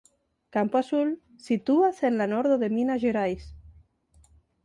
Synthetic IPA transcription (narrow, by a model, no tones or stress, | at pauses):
kampoasul | sit̪uasenlanoɾðoðeminaʒeɾajs